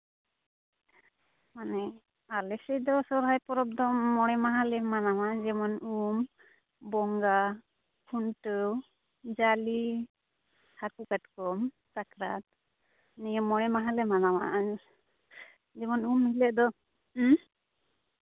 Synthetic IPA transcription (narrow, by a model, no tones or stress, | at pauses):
manɛ | alɛsɛjd̪ɔsɔɾɦajpɔɾɔb̚d̪ɔmɔɽɛmaɦalɛmanawad͡ʒɛmɔnum | bɔŋɡa | pʰunʈə | d͡ʒali | hakukaʈ̚kɔm | t͡ʃakɾa̰t̪̚ | nijɔmɔɽɛmaɦãlɛmanawa̰ʔ | d͡ʒɛmɔnumilɛʔd̪ɔ